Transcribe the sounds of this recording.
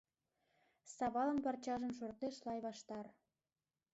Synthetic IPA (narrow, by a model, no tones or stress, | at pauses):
sɑβɑlə̆mpɑrt͡ɕɑʒə̆mʃ̬ort̪eʃlɑjβɑʃt̪ɑr